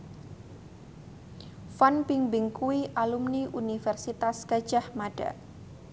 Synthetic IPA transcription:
fanpiŋbɪŋkuiʔalumniʔunifɛrsit̪askḁd͡ʒ̥ahmaɖ̥a̰

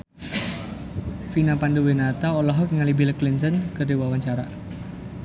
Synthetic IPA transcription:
finapanduwenat̪aolɔɦɔkŋalibiləklint̪ənkərdiwawaɲt͡ʃaɾa

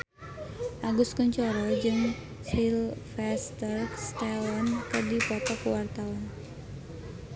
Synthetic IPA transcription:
ʔaɡʊskəɲt͡ʃɔɾɔd͡ʒɨŋ | silfɛst̪ərkst̪ɛwɔnkɨrdipɔt̪ɔkuwart̪awan

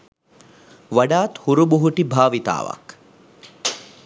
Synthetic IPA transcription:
ʋɐɖaːt̪huɾubuɦuʈibʱaːʋit̪a̰ːʋɐ̰k

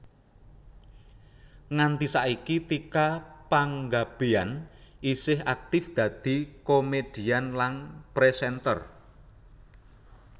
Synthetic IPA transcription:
ŋant̪isaʔikit̪ikapaŋɡab̥e̤anʔisɪɦak̚t̪ɪfd̪̥ä̤d̪̥i̤komed̪̥i̤anlanpɾesɛnt̪ə̰r

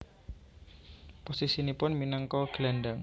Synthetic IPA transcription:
posisinipʊnminəŋkɔɡ̥lanɖaŋ

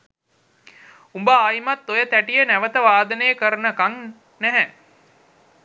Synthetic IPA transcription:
umbəaːjimat̪ːojət̪æʈijənæʋət̪əʋaːd̪ənejəkəɾənəkaŋ | næɦɛ

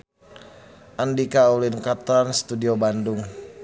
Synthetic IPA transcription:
ʔandikaulinkat̪ɾanst̪udiobandʊŋ

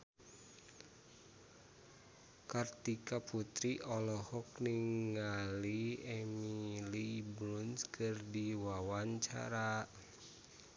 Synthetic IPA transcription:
kart̪ikaput̪ɾiʔɔlɔhɔk̚niŋŋɡaliɛmilibɾunskɨrdiwawaɲt͡ʃa̰ɾa

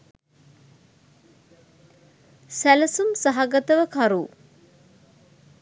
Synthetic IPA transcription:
sæləsumsaɦaɡət̪əʋəkʰaɾuː

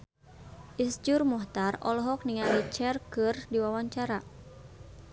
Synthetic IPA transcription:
ʔisd͡ʒurmɔht̪arɔ̰lɔɦɔk̚niŋalit͡ʃɛrkɨrdiwawaɲt͡ʃaɾa

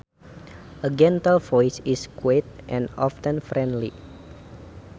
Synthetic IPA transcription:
ʔəɡɛ̃nt̪əlvɔjsiskwet̪̚ʔɛ̃nɔftə̃nfɾɛ̃ndlḭ

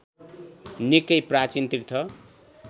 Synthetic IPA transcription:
nikʌjprat͡sint̪ikt̪ʰʌ

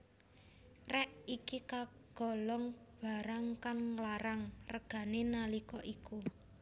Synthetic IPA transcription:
rɛʔikikaɡ̥ɔ̤lɔŋb̥a̤ɾaŋkanlaɾaŋrəɡ̥a̤nenalikɔʔiku

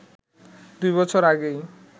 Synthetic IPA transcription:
d̪ujβɔt͡ɕʰɔɾaɡej

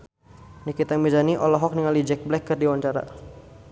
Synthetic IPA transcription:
nikit̪aŋmbizaniʔɔlɔɦɔk̚niŋalid͡ʒɛk̚blɛkːərdiwaɲt͡ʃaɾa̰

